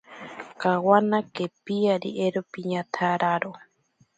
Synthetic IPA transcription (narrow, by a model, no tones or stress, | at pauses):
kawanakepiaɾḭʔeɾopiɲãt̪ʰaɾaɾo